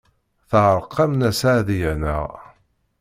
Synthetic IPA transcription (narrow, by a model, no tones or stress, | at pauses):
θʁəɾˤqːɑmnæsaʕðijænə̰ʁ